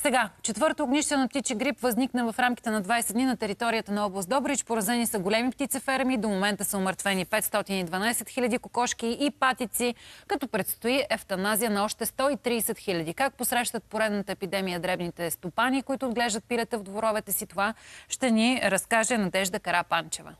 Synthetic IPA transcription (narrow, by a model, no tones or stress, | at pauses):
sɛɡat͡ʃɛt̪vɤɾt̪oːɡniʃt̪ɛnɐp̚t̪it͡ʃiɡɾipvɐzniknəvɐfɾamkʲi̥t̪ɛnɐd̪vajsɛd̪ninɐt̪ɛɾit̪ɔɾijət̪ənɐɔblˠɐsɔbɾit͡ʃpoɾɐzɛnisɐɡolɛmipt̪it̪sɛfɛɾmid̪omomɛnt̪əsəʊməɾt̪vɛnipɛt̪st̪ɔt̪inid̪vɐnajsɛt̪xilʲɐd̪ikokɔʃk̟iːpat̪it̪sikɐt̪ɔpɾɛt̪st̪oiʔɛft̪ɐnazijənɐɔʃt̪ɛst̪ɔit̪ɾiːsɛt̪xilʲɐd̪ikak̚posɾɛʃt̪ət̪̚poɾɛd̪nət̪əɛpid̪ɛmijəd̪ɾɛbnit̪ɛst̪opanikʊit̪ʊːd̪ɡlɛʒd̪ət̪̚pilɛt̪əvd̪voɾɔvɛt̪ɛsit̪ovaʃt̪ɛniɾɐskaʒɛnɐd̪ɛʒd̪əkɐɾapant͡ʃɛvə̰